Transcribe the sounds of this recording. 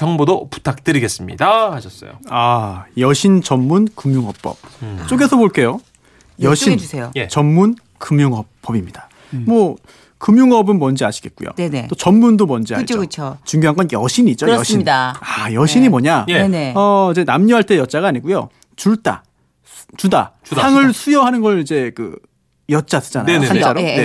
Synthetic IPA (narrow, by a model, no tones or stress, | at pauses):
t͡ɕʌŋbodopu̥tʰak̚t͈ɯɾiɡes͈ɯmɲḭdaaɕʰʌs͈ʌ̰jo̰ajʌɕʰint͡ɕʌmːunkɯmjuŋɦʌp̚p͈ʌp̚t͡ɕ͈oɡe̞sʰʌboɭk͈e̞jo | jjʌɕʰinsʰejojet͡ɕʌmmun | kɯmjuŋɦʌp͈ːʌbimɲid̥a | mwʌ | kɯmjuŋʌbɯnmʌnd͡ʑiaɕʰi̥ɡe̞t̚k͈ujo̰eteot͡ɕʌnmundomʌnd͡ʑia̰ɯokɯt͡ɕʰot͡ɕuŋɡjoɦaŋɡʌnjʌɕʰiɲid͡ʑoɾɕʰiidaajʌɕʰiɲimʌɲaenʌid͡ʑe̞namɲʌɦaɭt͈e̞jʌt̚t͡ɕ͈aɡaɲiɡujo̰ | t͡ɕuɭt͈a̰ | t͡ɕuda̰haŋɯɭsʰujʌɦanɯnɡʌɭid͡ʑekɯ̰ | jʌt̚t͡ɕ͈adɯd͡ʑana̰oaɾoe